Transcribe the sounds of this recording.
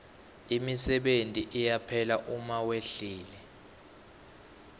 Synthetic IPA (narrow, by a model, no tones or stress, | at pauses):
imisɛɓentʼiʔijapʰɛlaʔumaweɬiːlɛ